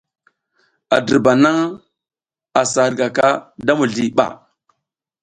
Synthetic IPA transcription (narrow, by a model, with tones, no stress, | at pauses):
a˨də˨ba˨na˦ŋ | a˨sa˨ɾɡa˨ka˦da˦mu˨ɮi˨ɓa̰˨